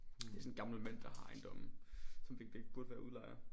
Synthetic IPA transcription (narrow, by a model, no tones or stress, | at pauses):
d̥eɐsɔ̽n̩ɡ̥ɑ̈ml̩mæn̰d̥ɑ̈hɑ̈aɪnd̥ɔ̽msɒ̽mfe̝ɡ̥d̥eɡ̥b̥uɐd̥əʋæɐʔuðˠlɑ̈ɪ̰ɐ